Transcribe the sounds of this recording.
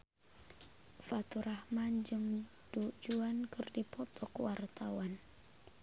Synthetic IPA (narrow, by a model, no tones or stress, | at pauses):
fat̪uɾahmand͡ʒɨm | d̥ud͡ʒuankɨrdipɔt̪ʰɔkwart̪awan